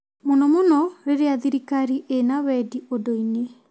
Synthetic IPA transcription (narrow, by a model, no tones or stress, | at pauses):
monɔmonɔɾeɾeaðiɾikaɾiʔenawɛdiodoine